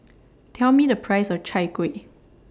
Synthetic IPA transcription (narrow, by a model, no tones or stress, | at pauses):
tʰɛlmidəpʰɹ̥aɪsɔvt͡ʃʰaɪkwe